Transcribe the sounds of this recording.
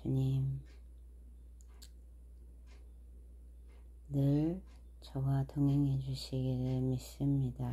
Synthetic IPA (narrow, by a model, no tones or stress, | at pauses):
t͡ɕuɲim | nɯɭ | t͡ɕʌɡatʰoŋɦe̞ŋɦe̞d͡ʑuɕʰiɡiɾɯɭmis͈ɯmɲida